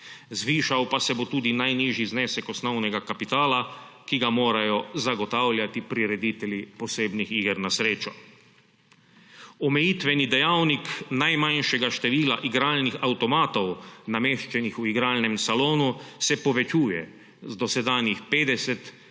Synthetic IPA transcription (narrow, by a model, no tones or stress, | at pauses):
zʋiːʃawpasɛbot̪uːd̪inajniːʒiznɛːsɛkɔsnɔwnɛɡakapit̪aːla | kiɡamoːɾajɔzaɡɔt̪awlʲjat̪ipɾiɾɛd̪iːt̪ɛljipɔseːbnixiːɡɛɾnasɾeːt͡ʃɔ | ɔmɛjiːt̪ʋɛnid̪ɛjawniknajmanʃɛɡaʃt̪ɛʋiːlaʔiɡɾaːlnixawt̪ɔmaːt̪ɔwnameːʃt͡ʃɛnixuiɡɾaːlnɛmsaloːnusɛpɔʋɛt͡ʃuːjɛ̰ | zd̪ɔsɛd̪aːnjixpeːd̪ɛsɛt̪